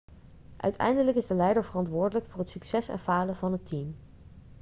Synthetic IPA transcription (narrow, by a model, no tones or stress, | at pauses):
ʔœ̰ɥtʰɛ̰jndələkɪzdəlɛjdəɹvərɑntʋʊːɹdələkfʊːrɦətsyksɛsɛ̰nfaːləvɑnɦətʰim